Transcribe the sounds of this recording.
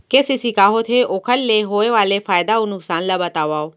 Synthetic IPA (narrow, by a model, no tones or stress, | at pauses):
kesisikaːɦot̪ʰeʔokʰəlːeɦoːeʋaːlefʰaːjd̪aunʊksaːnlaːbət̪aːʋaːoː